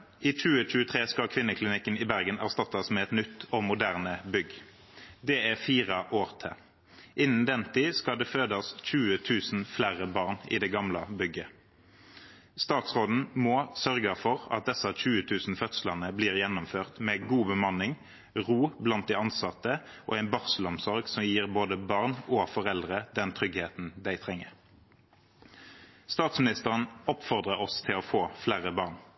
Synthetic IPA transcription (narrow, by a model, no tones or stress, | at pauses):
iːt͡ʃʉːəc͡çʉːət̪ʰʁeːskɑkʰʋɪnːəkʰlɪnɪkːənɪbæʁɡənæʁst̪ɑt̪ːɑsmɛɛt̪nʏt̪ːɔmʊd̪æːʁnəbʏɡ | d̪ɛæʁfiːʁəʔoːʁt̪ʰɛ̰ | ʔɪnən̩d̪ɛnt̪ʰiːskɑd̪ɛføːd̪ɑsc͡çʉːət̪ʰʉːsn̩flæʁəbɑːʁnḭːd̪ɛɡɑmlɑbʏɡə | st̪ɑːt̪sʁoːd̪n̩mɔːsœʁɡəfɔʁɑt̪̚d̪ɛsɑc͡çʉːət̪ʰʉːsn̩fœt̪slənəbliːʁjɛnːʊmføːʁt̪mɛːɡuːbəmɑnɪŋ | ʁuːblɑnt̪̚d̪æɪɑnsɑt̪ːə | ʔo̰ːæɪnbɑʁsəlʊmsɔʁɡsɔmjiːʁboːd̪əbɑʁnoːfɔʁɛld̪ʁəd̪ɛnt̪ʰʁʏɡheːt̪n̩d̪æɪt̪ʰʁɛŋːəʁ | st̪ɑːt̪smɪnɪst̪əʁənɔpfɔʁd̪ʁəɔst̪ʰɪlɔfoːflæːʁəbɑːʁn